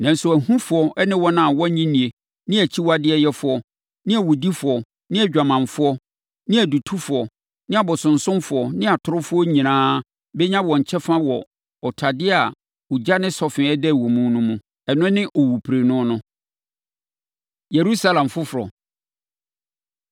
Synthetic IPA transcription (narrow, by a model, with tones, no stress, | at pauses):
nã˨n̩˦sʊ˨æ˨ɦũ˦fʊ˨˦ɔ˦ɛ˦nɪ̃˦wɔ˦nã˦˨wɔ˦ɲĩ˦nĩ˨e˨ | nɪ̃˦æ˨t͡ɕʰi˦wa˨dɪ˦ɛ˦jɛ˦fʊ˨ɔ˨ | nɪ̃˦æ˨wʊ˨di˦fʊ˨ɔ˨ | nɪ̃˦æ˨d͡ʑᶣa˨mã˨nfʊ˦ɔ˦ | nɪ̃˦æ˨du˨tʰu˦fʊ˨ɔ˨ | nɪ̃˦a˨bɔ˨sʊ̃˨n̩˨sʊ̃˦mfʊ˨ɔ˨nɪ̃˦a˨tʰʊ˨ɾʊ˦fʊ˦ɔ˦ɲĩ˨nãː˦ | bɛ˦ɲã˦wɔ̃˨ɲ̩˨t͡ɕʰɛ˦fã˦wɔ˨ | ɔ˨tʰa˨dɪ˦a˨ | ʊ˨d͡ʑa˦nɪ̃˦sɔ˨fɪ̃˨ɛ˦dɛ˦˨wõ˨mũ˦nũ˦mũ˦ | ɛ˨nʊ̃˦nɪ̃˦ʔo˨wu˨pʰɾe˨nʊ̃˦nʊ̃˦ | je˨ɾu˦sa˦lã˨mfʊ˦fʊ˨ɾɔ̰˨